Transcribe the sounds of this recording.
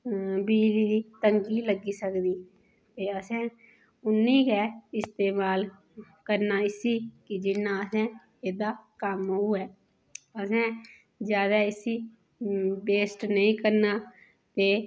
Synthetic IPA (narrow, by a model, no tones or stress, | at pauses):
biːd͡ʒliːd̪iːt̪əŋɡiːləɡiːsəkd̪iː | t̪eːəsɛ̃ː | ʊnːĩːkɛːɪst̪eːmaːl | kəɾnaːɪsiːkɪd͡ʒɪnːãːəsɛ̃ː | eːd̪aːkəmuːɛː | əsɛ̃ː | d͡ʒjaːd̪aːɪsiː | beːsʈnəĩːkəɾnaː | t̪eː